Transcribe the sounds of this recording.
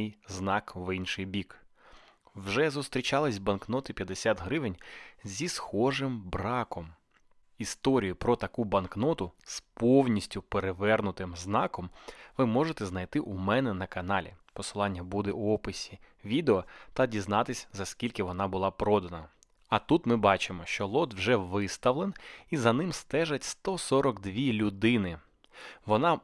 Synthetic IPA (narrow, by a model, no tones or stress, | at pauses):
jznɑkʋɪnʃɪjbʲik | wʒɛzʊst̪ɾʲit͡ʃɑlˠɪsʲbɐnknɔt̪ɪpʲjɐd̪esʲat̪ɦɾɪʋɪnʲzʲisxɔʐɪmbɾɑkɔm | ist̪ɔɾʲijʊpɾɔt̪ɐkubɐnknɔt̪ʊspɔwnʲisʲtʲʊpeɾeʋɛrnʊt̪ɪmznɑkɔmʋɪmɔʒet̪ɛznɐjt̪ɪʔumɛnɛnɐkɐnɑlʲḭpɔsɪlˠɑnʲːɐbud̪ɛɔpɪsʲi | ʋʲid̪eɔt̪ɐdʲiznɑt̪ɪsʲzɐskʲilʲkɪʋɔnɑbʊlˠɑpɾɔd̪ɐnɐ | ɐt̪ut̪mɪbɑt͡ʃɪmɔʃt͡ʃɔlˠɔd̪wʒɛʋɪst̪ɐʋlˠenizɐnɪmst̪ɛʒɐtʲst̪ɔsɔɾɔkd̪ʋʲilʲʊd̪ɪnɪ | ʋɔnɑ